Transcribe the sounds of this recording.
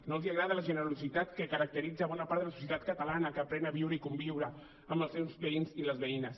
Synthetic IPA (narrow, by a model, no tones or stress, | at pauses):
nolˠziaɣɾaðələʒənəɾɾuzit̪at̪kəkəɾək̚t̪əɾid͡zəβɔnapaɾt̪əlɐs̬u̥sjət̪at̪̚kət̪alanəkəːpɾɛnaβiwɾəikumbiwɾəː | mbəlˠsewzβəinziləzβeinəs